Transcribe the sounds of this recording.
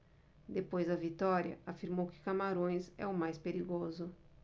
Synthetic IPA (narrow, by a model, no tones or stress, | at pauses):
d̪epojzd̪ɐvit̪ɔɾjɐ̰afiɾmowkɪ̥kamaɾõj̃sɛ̰ʊmajspeɾiɡozʊ